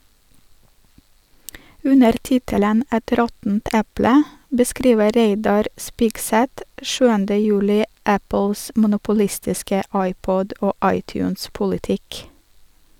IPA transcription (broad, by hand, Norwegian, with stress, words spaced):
ˈʉnəɾ ˈtɪtələn ˈɛt ˈɾɔtn̩t ˈɛplə bəˈskɾiːʋə ˈɾeɪdɑɾ ˈspɪɡsɛt ˈʃʉːəndə ˈjʉːlɪ ˈæpl̩s mʊnʊpʊˈlɪstɪskə ˈɑɪˌpɔd ˈoː ˈɑɪˌtjʉːns pʊlɪˈtɪk